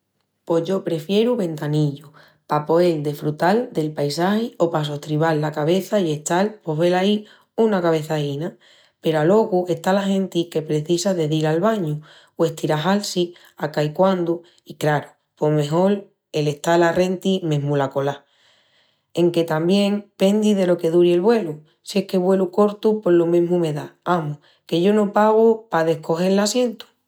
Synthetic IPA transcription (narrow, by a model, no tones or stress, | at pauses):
po̞ɦʝo̞pɾe̞fje̞ɾuβẽ̞nt̪aniʎu | papo̞e̞ld̪efɾut̪ald̪e̞lpajs̬ahio̞pas̬o̞ht̪ɾiβalːakaβe̞θaje̞ht̪alpo̞ɦβe̞lai | unakaβe̞θaina | pe̞ɾalo̞ɣue̞t̪alahẽ̞nt̪ike̞pɾe̞θisaðe̞ðiɾalβaɲu | we̞ht̪iɾaɦalsi | akaikwand̪u | ikɾaɾu | po̞me̞ɦo̞l | e̞le̞ht̪alare̞nt̪ime̞ɦmulako̞la | e̞ŋke̞t̪ambje̞ŋpe̞nd̪iðe̞lo̞ke̞ðuɾielβwe̞lu | sje̞hke̞βwe̞luko̞ɾt̪upo̞ɾlomẽ̞mume̞ðaamu | ke̞ʝo̞nõ̞paɣopaðe̞hko̞xe̞ɾlasje̞nt̪u̥